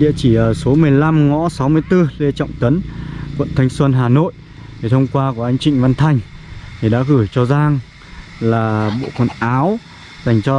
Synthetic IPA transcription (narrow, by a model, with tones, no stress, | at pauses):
ɗḭ˧˨t͡ɕi˧˩ʔəː˨˩so˨˦mɨ˨˩əjla˧mŋɔ̰˧˥sa˨˦wmɨ˧əjt̪ɨ˧le˧t͡ɕɔ̰˧˨wŋ͡mt̪ə˨˦nkwə̰˧˨nt̪ʰa˧jŋ̟swə˧nɦaː˨˩no̰˧˨j | t̪ʰe˨˩t̪ʰə˧wŋ͡mkwaː˧ku˧˩ʔa˧jŋ̟t͡ɕï˧˨ŋ̟va˧nt̪ʰa˨˧˩jŋ̟t̪ʰi˨˩ɗa̰ː˧˥kɨ˧˩t͡ɕɔ˧zaː˧ŋ | laː˨˩ɓo̰˧˨kwə˨˩nʔaː˨˦w | za˨˩jŋ̟t͡ɕɔ˧